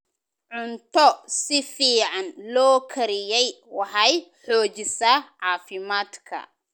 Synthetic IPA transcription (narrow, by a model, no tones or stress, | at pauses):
ʕʊnt̪ʰɔsɪfiːʕɑnlɔːkʰɐɾɪjɛj | wɑħɑjħɔːt͡ʃɪsɐʕɑːfɪmaːd̪kʰɐ̰